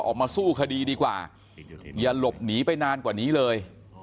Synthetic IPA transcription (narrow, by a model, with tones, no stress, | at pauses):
ʔɔ̰ː˨˩k̚maː˧suː˥˩kʰa˧diː˧diː˧kwa̰ː˨˩ | ja˨˩lo˨˩p̚niː˩˦pa˧jnaː˧nkwaː˨˩niː˦˥lɤː˧j